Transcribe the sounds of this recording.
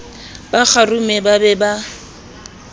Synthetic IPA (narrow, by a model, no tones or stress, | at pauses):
bak͡xarumɛbabɛba